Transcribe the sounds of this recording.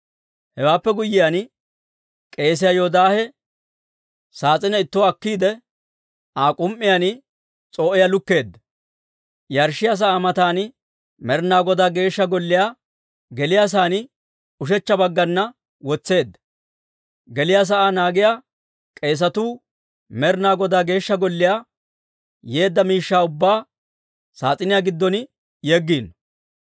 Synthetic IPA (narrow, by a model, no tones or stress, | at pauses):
hɛwaːpːɛɡʊjːɪjan | kʼe̞ːs̬ɪjajoːd̪aːhɛ | saːt͡sʼɪnɐɪt̪ːʊwɐkːiːd̪ɛ | ʔaːkʼʊmʔːɪjanɪ | t͡sʼoːʔɪjalʊkːe̞ːd̪ːɐ | jɐɾʃɪjas̬ɐʔaːmɐt̪aːnɪ | mɛɾnaːɡɔd̪aːɡe̞ːʃːɐɡɔlːɪjaː | ɡɛlɪjas̬aːnɪ | ʊʃ̬ɛt͡ʃːɐbɐɡːɐnːɐ | wɔt͡sːe̞ːd̪ːɐ̥ | ɡɛlɪjas̬ɐʔaːnaːɡɪjaː | kʼe̞ːs̬ɐt̪uː | mɛɾnaːɡɔd̪aːɡe̞ːʃːɐɡɔlːɪjaː | je̞ːd̪ːɐmiːʃːaːʊbːaː | saːt͡sʼɪnɪjaɡɪd̪ːɔn | jɛɡːiːn